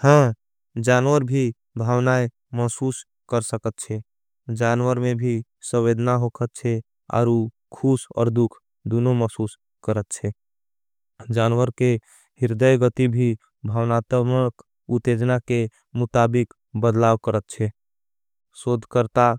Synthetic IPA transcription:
hə̃ | d͡ʒanwəɾbʱi | bʱawnaj | məsus | kəɾsəkət̪̚t͡ʃʰɛ | d͡ʒanwəɾmebʱi | sə̃ed̪ʱnaɦokʰət̪̚t͡ʃʰɛ | ɔ̰ːɾu | kʰusɔ̰ːɾd̪ukʰ | d̪unoməsus | kəɾət̪̚t͡ʃʰɛ | d͡ʒanwəɾke | ɦiɾd̪əjɡət̪ibʱi | bʱawnat̪mək | ut̪ed͡ʒnake | mut̪abik | bəd̪lawkəɾət̪̚t͡ʃʰɛ | sod̪ʱkəɾt̪a

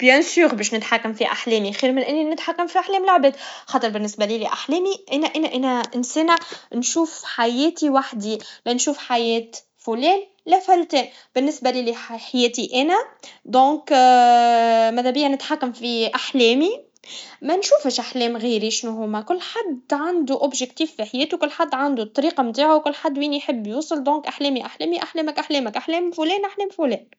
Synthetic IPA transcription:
b̥jɛ̃syːɾbɛːʃnɪt̪ħakːamfiʔaħlɛːmixiːɾmɪnʔɪnːinɪt̪ħakːamfiʔaħlɛːmlaʕbɛːd̪xɑːt̪ˤəɾˤbɪnːɪsbæliːliʔaħlɛːmiʔænæʔænæʔænæʔɪnsɛːnanʃuːfħajɛːt̪iwaħd̪ilɛnʃuːfħajɛːt̪ | fulɛːn | læfælt̪ɛːn | b̥ɪnːɪsbæliːliħajɛːt̪iʔænæd̪ɔ̃ːk | mæd̪æbɪjːænɪt̪ħakːæmfiʔaħlɛːmi | mɛnʃuːfəʃʔaħlɛːmɣiːɾiʃnuɦʊmɛkʊlːħad̪ʕand̪uʔʊbʒɪkt̪iːfːiħjɛːt̪ukʊlːħad̪ːʕand̪ut̪ˤːɑɾiːqɑmt̪aːʕuwkʊlːħad̪ːwiːnijħəbːjuːsˤɨld̪ɔ̃ːkʔaħlɛːmiʔaħlɛːmiʔaħlɛːmækʔaħlɛːmækʔaħlɛːmfʊlɛːnʔaħlɛːmfulɛːn

